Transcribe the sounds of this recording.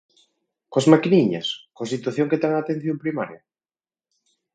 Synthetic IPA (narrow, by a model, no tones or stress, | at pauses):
koazmakiniɲɐ̰skoasit̪waθjoŋket̪eŋaːt̪ẽn̟θjompɾimaɾja